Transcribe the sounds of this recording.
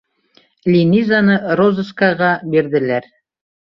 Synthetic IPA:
lʲinʲizanɤɾozə̆skɑʁɑbiɾðɘ̆læɾ

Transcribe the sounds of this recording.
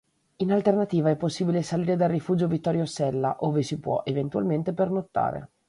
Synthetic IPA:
inalt̪ernat̪iːvaɛpːosːiːbilesaliːɾed̪arːifuːd͡ʒovit̪ːɔɾjosɛlːa̰ʔoːvesipwɔ̰ʔevent̪ua̰lment̪epernot̪ːa̰ːɾḛ

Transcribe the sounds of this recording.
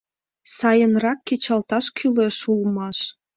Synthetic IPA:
sɑjə̆nrɑkːet͡ɕɑlt̪ɑʃkʰyleʃulmɑʃ

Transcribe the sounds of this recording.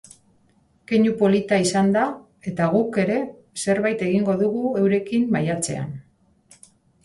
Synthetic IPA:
ke̞ɲupo̞lit̪aisand̪a | e̞t̪aɣ̞uke̞ɾe̞ | se̞ɾβajt̪e̞ɣiŋɡo̞ðuɣue̞wɾe̞kimmajat͡se̞̰a̰n

